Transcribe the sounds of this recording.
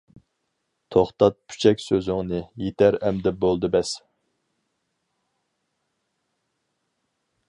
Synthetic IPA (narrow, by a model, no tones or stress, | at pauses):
t̪ʰoχt̪ɑt̪̚pʰy̥t͡ʃʰɛkʲsøzɪŋnɨjet̪ʰæɾɛmd̪ɛp̚bolˠd̪ɨbɛs